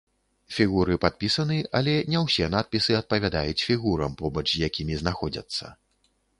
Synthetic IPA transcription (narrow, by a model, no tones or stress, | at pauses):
fʲiɣuɾɨpat̪̚pʲisɐnɨʔɐlʲɛnʲɛwsʲɛnat̪̚pʲisɨɐt̪̚pɐvʲad̪ajut͡sʲfʲiɣuɾɐmpɔbɐt͡ʂzʲjakʲimʲiznaxɔd͡zʲɐ̰t̪sːɐ̰